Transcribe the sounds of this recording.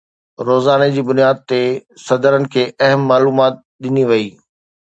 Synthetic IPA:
ɾoːzaːned͡ʑiːbʊnijaːd̪̚t̪esɐd̪əɾənɪ̆kʰeːʔɐɦəmːaːluːmaːt̪̚ | ɗɪniʋɐiː

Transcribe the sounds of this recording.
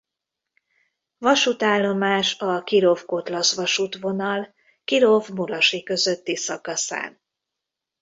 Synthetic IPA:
vɒʃut̪aːlːo̞maːʃɒkiɾo̞fko̞t̪lɒsʋɒʃut̪ʋo̞nɒl | kiɾovmuɾɒʃikø̞zøt̪ːisɒkɒsa̰ːn

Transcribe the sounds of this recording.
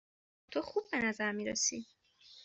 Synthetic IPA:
t̪ʰoxub̚ːe̞næzæɾmiːɾesi

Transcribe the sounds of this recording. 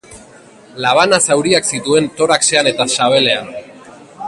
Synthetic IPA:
laβ̞anasawɾiaksit̪ue̞nt̪o̞ɾakse̞ane̞t̪asaβ̞e̞le̞an

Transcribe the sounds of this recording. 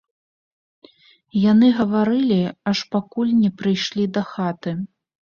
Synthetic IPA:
janɨɣɐvaɾɨlʲiɐʂpakulʲnʲɛpɾɨjʂlʲid̪ɐxat̪ɨ

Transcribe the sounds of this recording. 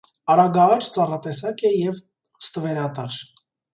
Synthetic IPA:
ɑɾɑɡɑɑt͡ʃʰt͡sɑrɑt̪ɛsɑkɛjɛv | st̪əvɛɾɑt̪ɑɾ

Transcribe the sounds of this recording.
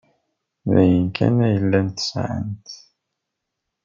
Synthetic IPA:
ðæjənkæ̰næjəlːænt̪sʕə̰nt̪

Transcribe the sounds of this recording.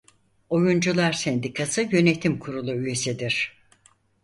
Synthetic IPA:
o̞jund͡ʒulˠaɾsɛnd̪ikʰasɯjø̞net̪ʰimkʰuɾulˠuyje̞sid̪iɾ̥

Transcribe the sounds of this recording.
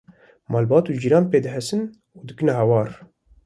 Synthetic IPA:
mɑːlbɑːt̪uːd͡ʒiɾɑːnpeːd̪ɨɦɛsɨn | ud̪ɨkɨnɛɦɛwɑːɾ

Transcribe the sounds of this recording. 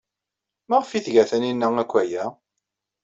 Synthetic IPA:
mæʁfiθʝæθæninːəækʷːæjæ

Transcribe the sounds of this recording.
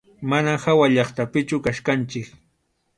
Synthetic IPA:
manahawaʎɑχt̪apɪt͡ʃʊkaʃkant͡ʃɪk

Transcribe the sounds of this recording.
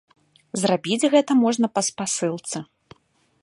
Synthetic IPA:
zrabʲid͡zʲɣɛt̪ɐmɔʐnɐpɐspasɨlˠt̪sɨ

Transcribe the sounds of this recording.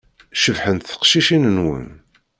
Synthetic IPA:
ʃəvħənt̪θə̥qʃiʃinənwə̰n

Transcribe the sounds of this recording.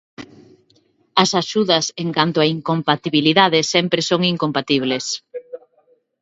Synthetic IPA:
ɐsaʃuðɐseŋkant̪oaiŋkompat̪iβiliðaðɪsɛmpɾesoŋiŋkompat̪iβ̞les

